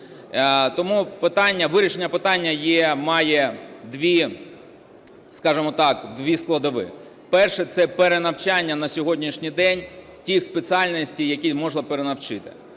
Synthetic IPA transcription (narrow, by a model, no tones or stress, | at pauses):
t̪ɔmupɪt̪ɑnʲːɐʋɪɾʲiʃenʲːɐpɪt̪ɑnʲːɐjɛmɑjɛd̪ʋʲi | skɑʒemɔt̪ɑkd̪ʋʲisklˠɐd̪ɐʋɪ̰ | pɛrʃɛt̪sɛpeɾenɐwt͡ʃanʲːɐnɐsʲɔɦɔdʲnʲiʃnʲijd̪ɛnʲ | tʲixspet͡sʲiɑlʲnɐsʲtʲijɐkʲimɔʒnˠɐpeɾenɐwt͡ʃɪt̪ɪ̥